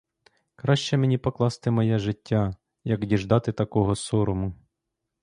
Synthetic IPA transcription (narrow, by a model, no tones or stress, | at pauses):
kɾɑʃt͡ʃɛmenʲipɔklˠɑst̪ɪmɔjɛʒɪtʲːa | jɐkdʲiʒd̪ɑt̪ɪt̪ɐkɔɦɔsɔɾʊmʊ